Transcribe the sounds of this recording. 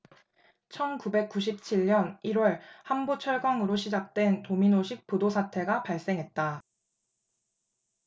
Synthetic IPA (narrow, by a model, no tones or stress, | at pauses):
t͡ɕʰʌnkube̞k̚k͈uɕ̬ʰip̚t͡ɕʰiʎɲʌniɾwʌɭhambut͡ɕʰʌɭɡwaŋɯɾoɕʰid͡ʑak̚t͈we̞ntominoɕʰik̚p͈odosʰatʰe̞ɡapaɭs͈e̞ŋɦe̞t̚t͈a